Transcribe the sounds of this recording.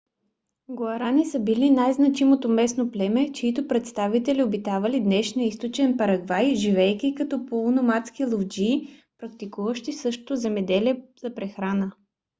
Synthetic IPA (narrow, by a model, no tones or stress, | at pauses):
ɡɐɾanisəbilinajznɐt͡ʃimot̪omɛsnoplɛmɛt͡ʃɛit̪opɾɛt̪st̪avit̪ɛliobit̪avɐlid̪nɛʃniəist̪ot͡ʃɛnpɐɾɐɡvajʒivɛjkʲikɐt̪ɔpolˠnomat̪skilˠovd͡ʒiːpɾɐkt̪ikuvəʃt̪isɤʃt̪o̥t̪ozɛmɛd̪ɛliɛz̥ɐpɾɛxɾanə